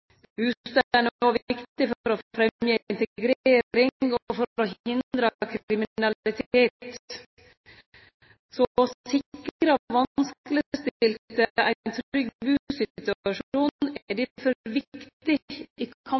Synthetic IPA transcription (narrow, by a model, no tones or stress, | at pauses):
hʉːst̪əæɳoːʋɪkt̪ɪfɔɾɔfɾɛmjəːɪnt̪əɡɾeːɾɪŋɔfɔɾɔhɪnd̪ɾəkʰɾɪmɪnɑlɪt̪ʰeːt̪t̪ | sɔsɪkɾəʋɑnskələst̪ɪlt̪əæ̰ɪnt̪ʰʏɡbʉːsɪt̪ʉɑʂuːnɖɛfɔʋɪkkt̪ɪikʰɑ